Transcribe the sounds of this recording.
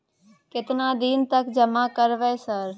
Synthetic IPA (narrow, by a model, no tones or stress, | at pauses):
kɪt̪naːd̪iːnt̪əkd͡ʒəmakəɾʋeːsəɾ